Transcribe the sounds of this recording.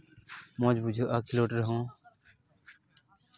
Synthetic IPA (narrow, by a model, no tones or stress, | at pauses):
mõːd͡ʒbud͡ʒʱoːʔaːkʰiloːʈɾəɦõː